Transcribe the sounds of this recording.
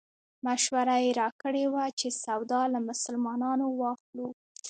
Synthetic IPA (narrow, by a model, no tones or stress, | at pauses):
maʃwaɾajeɾɑkəɽewat͡ʃesawd̪ɑlamʊsəlmɑnɑnowɑxlu